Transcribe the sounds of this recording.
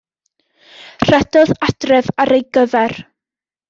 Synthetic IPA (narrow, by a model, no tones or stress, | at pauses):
r̥ɛdɔðad̥rɛvaɾejɡəvɛr